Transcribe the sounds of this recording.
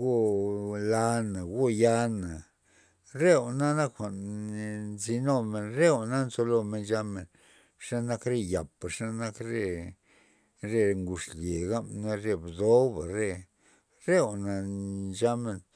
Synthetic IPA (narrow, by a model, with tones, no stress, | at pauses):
ɡu˦la˧na˨ɡu˦ja˧na˨ | ɾe˦˨wna˦na˦kxʷa˨ʔn˧nzi˧no˦˧˨me˧nɾe˦wna˦nzo˧lo˧me˧nd͡ʒa˧me˨n | ʂa˦na˦kɾe˦˧ja˨pa˨ʂa˦na˦kɾe˧ | ɾe˧ŋɡu˧ʂlje˨ɡa˦mna˦ɾe˧bd̪o˦wba˨ɾe˧ | ɾe˦wna˨d͡ʒa˦me˧n